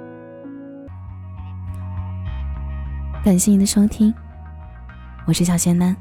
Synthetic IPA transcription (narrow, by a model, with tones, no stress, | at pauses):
ka˨˩nɕ̬jɛ˥˩ni˨˩d̪ə˧˦ʂɤ˥ŋt̪ʰi˥ŋ | wɔ˨˩ʂɻ̩˥ɕjɑ˨˩ɕjɛ˥nt̪a˥n